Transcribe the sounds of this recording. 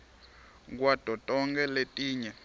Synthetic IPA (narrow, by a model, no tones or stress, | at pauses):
k̬wad̥ʱɔtʼɔŋɡɛletʼiːɲɛ